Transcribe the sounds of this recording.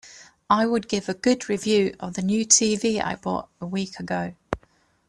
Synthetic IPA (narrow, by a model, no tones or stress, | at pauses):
aɪwəd̚ɡɪvəɡʊdɹɪvjʉːʔə̰vðənjʉːtʰiːviːa̰ɪb̥ɔ̰ːˑtəwiˑkʰəɡəʊ